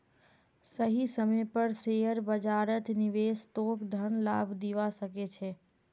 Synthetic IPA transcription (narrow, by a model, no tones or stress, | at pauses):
səɦisəməjpəɾsejəɾbəd͡ʒaɾət̪niʋest̪okd̪ʱənlabʱd̪iʋasəket͡ʃʰe